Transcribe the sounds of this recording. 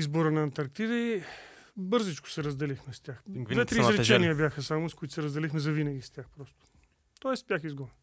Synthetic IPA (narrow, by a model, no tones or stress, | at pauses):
izbʊɾənɐːnt̪ɐɾk̚t̪id̪əi | bɤɾzɛt͡ʃkʊ̥sɛɾɐzd̪ɛlixmɛst̪ʲjaxvɛt̪ɾiːzɾɛt͡ʃɛnijəbjaxəsamʊskʊit̪ʊ̥sɛɾəzd̪ɛlixmɛzɐvinɐɡʲist̪ʲjaxpɾɔst̪ʊ̥ | t̪ɔɛsbʲjaxizɡɔvɛn